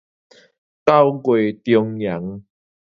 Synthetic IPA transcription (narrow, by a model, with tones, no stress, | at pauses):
ka˥˦˨wkwe˨t̪jɔ˧ŋja˨˦ŋ